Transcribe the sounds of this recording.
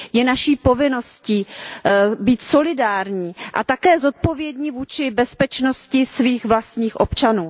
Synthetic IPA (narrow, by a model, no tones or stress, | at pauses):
jɛnaʃiːpo̞vɪno̞sciː | biːt̪so̞lɪdaːɾɲiːʔa̰t̪akɛːzo̞t̪̚po̞vjɛdɲiːvuːt͡ʃɪbɛspɛt͡ʃno̞scɪsviːxvlast̪ɲiːxʔo̞pt͡ʃanuː